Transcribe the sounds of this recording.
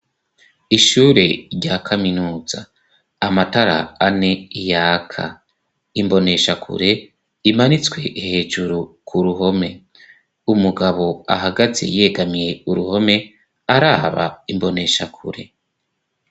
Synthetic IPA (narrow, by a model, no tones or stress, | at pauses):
iʃuːɾe̞ɾɟakʰaminuːz̥a̰ː | mataɾa̰ːne̞ijaːkʰa̰ | imbo̞ne̞ʃakʰṵɾe̞ | imanit͡swe̞ʔihe̞ːʒuɾukʰuɾuɦo̞me̞ | umuɡaβo̞aɦaɡaze̞̰je̞ɡamije̞uɾuho̞me̞ | aɾaːβa̰imbo̞ne̞ʃakʰṵɾe̞